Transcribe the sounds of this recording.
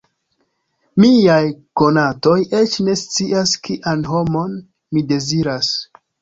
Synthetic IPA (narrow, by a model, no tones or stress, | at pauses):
miajko̞nato̞je̞t͡ʃne̞st͡siaskiʔanɦo̞mo̞n | mide̞ziɾas